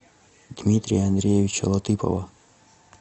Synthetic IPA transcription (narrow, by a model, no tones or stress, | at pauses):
d̪̥mʲit̪ʲɾʲḭjɐɐnd̪ɾʲejeʋʲit͡ʃɐ̰lˠɐt̪ɪpɔ̰ʋɐ